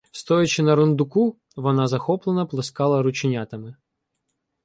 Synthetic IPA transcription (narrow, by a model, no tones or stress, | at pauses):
st̪ɔjɐt͡ʃɪnɐɾʊnd̪ʊku | ʋɔnɑzɐxɔplˠenɐplˠɪskɑlˠɐɾʊt͡ʃɪnʲat̪ɐmɪ